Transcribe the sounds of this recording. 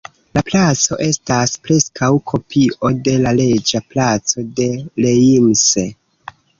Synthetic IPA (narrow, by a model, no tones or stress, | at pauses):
laplat͡so̞ʔe̞staspɾe̞skawkʰo̞pʰio̞de̞lale̞d͡ʒaplat͡so̞de̞leimse